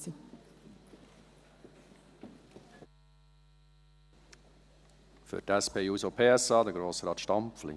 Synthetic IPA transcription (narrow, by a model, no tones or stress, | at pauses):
ə | fœ̰ʈæspeːjuːsopʰeːɛsɑːd̪eːɡɾoːsəɾɑːt̪ʃtɑmpflɪ̰